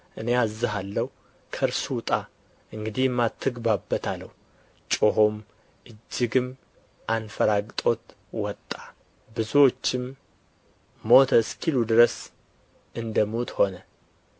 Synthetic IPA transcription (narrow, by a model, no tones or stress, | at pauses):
ʔɨne̞azːɨɦalːəhu | kʰəɾsut̪ʼa | ʔɨŋɡɨd̪ijmːat̪ʰːɨɡbabːət̪ʰalːəhu | t͡ʃʼoɦo̞m | ʔɨd͡ʒːɪɡɨm | ʔanfəɾaɡʼt̪ʼo̞t̪ | wɔt̪ʼːa | bɨzuwo̞t͡ʃːɪm | o̞t̪ʰəskʰilud̪ɨɾəs | ɨnd̪əmut̪ho̞nə